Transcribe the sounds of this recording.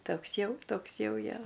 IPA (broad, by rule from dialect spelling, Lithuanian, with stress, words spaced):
ˈtoːks ˈjɛʊ ˈtoːks ˈjɛʊ ˈjoː